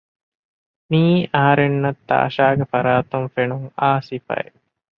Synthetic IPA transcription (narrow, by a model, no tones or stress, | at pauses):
miːɐɦɐɾenːɐt̪ːa̰ːʃaːɡefɐɾaːt̪umfenuŋaːsifɐ̰ḛ